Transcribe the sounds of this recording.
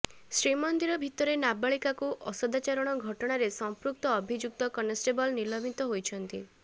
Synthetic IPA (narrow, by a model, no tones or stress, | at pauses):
sɾimɔnd̪iɾɔbʱit̪ɔɾenabaɭikakuʔɔsɔd̪at͡ʃaɾɔɽ̃ɔɡʱɔʈɔɽ̃aɾesɔmpɾuk̚t̪ɔːbʱid͡ʒuk̚t̪ɔkɔnesʈebɔlnilɔmit̪ɔɦojt͡ʃʰɔnt̪ḭ